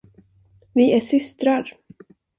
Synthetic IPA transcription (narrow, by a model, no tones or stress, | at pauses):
vɪʔæʂʏst̪ɾaɾ